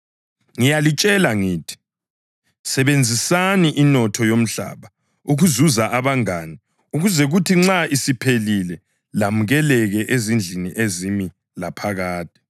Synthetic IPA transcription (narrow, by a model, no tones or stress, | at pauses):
ŋijalit͡ʃʼɛlaŋiːtʰi̥ | sɛβend͡zʱisaniʔinɔtʰɔjom̩ɬa̰βa | uɣuzuzaʔaβaŋaːni | uɣuzɛɣutʰiŋ͡ǁaisipʰelilɛ | lamuɣɛlɛɣɛʔezind͡ɮʱinḭʔezimi | lapʰaɣaːtʼi̥